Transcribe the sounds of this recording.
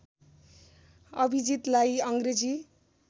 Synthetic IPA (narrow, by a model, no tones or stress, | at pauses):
ʌbʱid͡zit̪lajʌŋɡred͡zi